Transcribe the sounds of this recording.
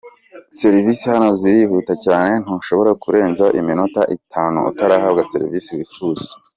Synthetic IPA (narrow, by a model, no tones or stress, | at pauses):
se̞ɾvisihano̞ziɾihuːtacaːne̞n̥hunʃo̞βo̞ɾakuɾe̞ːnzaʔiminota̰ʔitʰaːnṵṵtaɾaːhabɡase̞̰ɾḭvisiwifuz̥i̥